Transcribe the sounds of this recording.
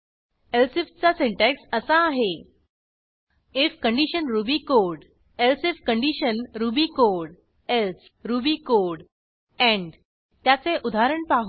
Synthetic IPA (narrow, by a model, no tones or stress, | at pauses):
elsift͡sasiɳʈɛksəsaːɦe | efkəɳɖiɕənɾubikoɾɽ | elsefkəɳɖiɕənɾubiːkoɽ | els | ɾubikoɽ | ɛ̃ɳ | t̪jat͡seʔud̪ʱaɾəɳpaɦ